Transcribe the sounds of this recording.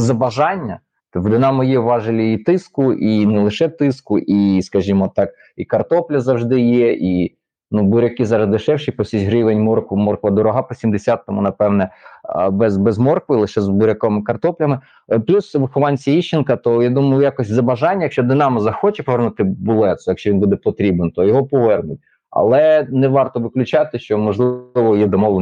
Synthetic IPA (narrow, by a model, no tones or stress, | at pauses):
zɐbɐʒɑnʲːɐ | t̪ɪd̪ɪnɑmɔjɛʋɑʒɪlʲiit̪ɪskʊʔinɛlˠɪʃɛt̪ɪskʊʔiskɐʒʲimɔt̪ɑk | ikɐrt̪ɔplʲɐzɐwʒd̪ɪjɛʔi | nubʊɾʲɐkɪzɑɾɐzd̪ɪʃɛwʃɪjpɔsʲit͡ʃʲɦɾɪʋenʲmɔrkʊmɔrkʋɐd̪ɔɾɔɦɑpɔsʲimd̪esʲat̪ːɔmunɐpɛwnɛbɛzbɛzmɔrkʋɪlˠɪʃɛzbʊɾʲɐkɔmɪkɐrt̪ɔplʲɐmɪ | plʲusʋxʊʋɑnʲsʲiiʃt͡ʃːɪnkɐt̪ɔjad̪umɐjʊjakɔsʲzɐbɐʒɑnʲːɐjɐkʃt͡ʃɔd̪ɪnɑmɐzɐxɔt͡ʃɛpɔʋɛrnʊt̪ɪbʊlˠɛt̪sɔjɐkʃt͡ʃɔʋinbud̪ɛpɔt̪ɾʲibent̪ɔjɔɦɔpɔʋɛrnʊtʲ | ɐ̰lˠɛnɛʋɑrt̪ɔʋɪklʲʊt͡ʃɑt̪ɪʃt͡ʃɔmɔʒlˠʋɔjɛd̪ɔmɔʋlˠe